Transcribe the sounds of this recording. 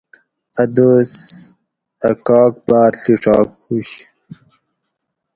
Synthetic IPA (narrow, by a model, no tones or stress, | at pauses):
ɐd̪os | ɐkɑːk̚baːɾɬiʂɑ̰ːkhuɕ